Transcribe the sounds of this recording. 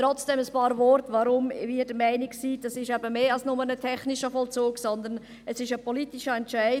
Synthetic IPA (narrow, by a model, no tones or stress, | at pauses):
t̪ɾɔt͡sd̥ɛməspɑːɾvɔɾtvɑɾʊmviːd̥əmæɪnɪksiːd̥ɑsɪʃɛbəmeːɑlsnʊmənətʰɛχnɪʃəfɔlt͡suːksɔnd̪ən | əsɪʃəpʰɔlitɪʃəɛntʃæɪ